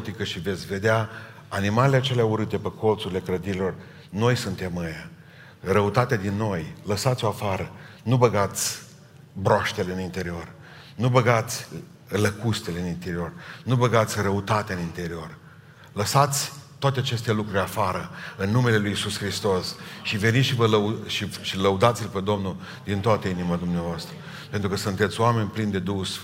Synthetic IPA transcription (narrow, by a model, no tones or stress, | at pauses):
t̪ikəʃive̞t̪sʲve̞d̪ea | animaleleat͡ʃe̞leauɾɨt̪e̞pəkʰo̞lt̪suɾile̞kɾəd̪iɾilo̞r | no̞jsunt̪e̞məja | rəut̪at̪ead̪inːo̞jləsat̪sʲo̞afaɾə | nubəɡat̪sʲ | bɾoaʃt̪e̞le̞ɨnint̪e̞ɾio̞r | nubəɡat̪sʲ | ləkust̪ele̞ɨnint̪e̞ɾio̞rnubəɡat̪sʲrəut̪at̪eaɨnint̪e̞ɾio̞r | ləsat̪sʲt̪oat̪eat͡ʃe̞st̪elukɾuɾʲafaɾəɨnːume̞le̞lujisuskɾist̪o̞sʃive̞nit̪ʃivələuʃiʃiləud̪at̪silpe̞d̪o̞mnul | d̪int̪oat̪əinimad̪umneavoast̪ɾə | pe̞nt̪ɾukəsunt̪et̪sʲoame̞nʲplind̪e̞d̪us